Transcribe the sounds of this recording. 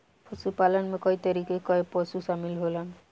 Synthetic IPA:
pʰɔsupalənmekɔit̪ʌɾikekɔepɔsusamilɦolan

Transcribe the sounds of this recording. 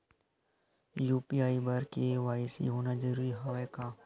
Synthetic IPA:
juːpiaːibəɾkeʋaːɪsḭɦoːnad͡ʒəɾuːɾiɦaʋeːkaː

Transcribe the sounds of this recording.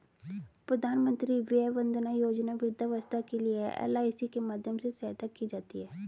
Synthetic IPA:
pɾəd̪aːnmə̃nt̪ɾiːʋɪabənd̪naːjoːd͡ʒnaːʋɪɾɪd̪aʋəst̪ʰakelɪeɛ̰ːlaːisikemaːd̪ʱjəmsesɛːt̪akiːd͡ʒaːt̪ḭɦɛː

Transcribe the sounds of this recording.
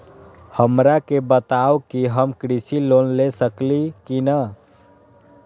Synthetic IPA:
həmɾakebət̪awkiɦəmkɾisilonlesəklikinə

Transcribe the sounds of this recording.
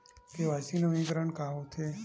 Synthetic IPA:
keʋasinoĩkɾəɳkaɦot̪ʰe

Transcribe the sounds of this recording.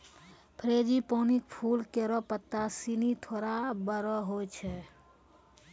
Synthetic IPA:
pʰɾeːd͡ʒipoːnikpʰuːlkeɾɔpət̪ːasinit̪ʰoːɾabəɾɔɦot͡ʃʰɛ

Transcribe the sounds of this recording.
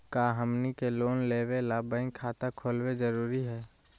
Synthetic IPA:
kaːɦəmnikeloːnleːwelaːbaːɪ̃ŋkʰaːt̪akʰoːlwed͡ʒəɾuːɾiɦɛː

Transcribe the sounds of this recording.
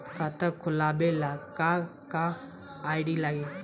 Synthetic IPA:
kʰat̪əkʰʊlaːbelaːkaka | aːɪɖiːlaːɡeː

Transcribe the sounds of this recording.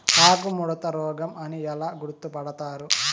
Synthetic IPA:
haːkumuɽɐt̪ɐɾɔːɡɐmɐniɛlaːɡuɾut̪ːupɐɽɐt̪aːɾu

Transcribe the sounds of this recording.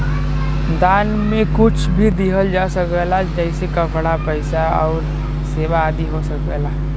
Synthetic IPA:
d̪aːn | mẽkʊt͡ʃʰbʱid̪iɦəld͡ʒasəkʋelad͡ʒəɪsekəpɽapəɪsaɔ̰ːɾ | seːbaːd̪iɦosəkʋɛ̰ːla

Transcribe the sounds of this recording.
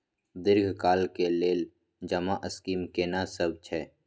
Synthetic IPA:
d̪ɪɾɡʱkaːlkeleːl | d͡ʒəmaʔəskiːmkeːnasəb̚t͡ʃʰɛː

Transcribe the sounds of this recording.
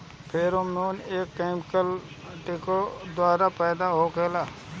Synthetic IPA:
pʰɪɾomeneːkːaɪmkəl | ʈekod̪waːɾapɛːd̪aɦokeːlaː

